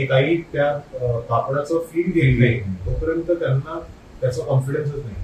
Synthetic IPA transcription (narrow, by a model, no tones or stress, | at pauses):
ikaɦiːt̪jat̪apɽat͡sɔfiːld̪illet̪əɾpəɾənt̪ət̪janːa | t̪jat͡sɔkɔnfiɽens̬ət͡snaɦi